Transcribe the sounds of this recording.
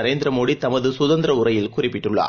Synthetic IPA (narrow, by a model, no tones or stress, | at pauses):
ɐɾeːnd̪ɪɾɐmoːɽit̪ɐmɐðɯsʊðɐnd̪ɾɐʊrɐjɪlkʊrɪpːɪʈːɯɭːa̰ː